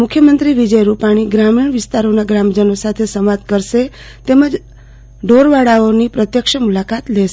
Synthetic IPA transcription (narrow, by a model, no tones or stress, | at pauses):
mʊkʰjəmənt̪ɾiʋid͡ʒəjɾupaɽ̃iɡɾamiɳ̃ʋɪst̪aɾonaɡɾamd͡ʒənosat̪ʰesəmad̪kəɾʃe | t̪eməd͡ʒ | ɖoɾʋaɽaonipɾət̪jəkʃəmulakat̪leʃ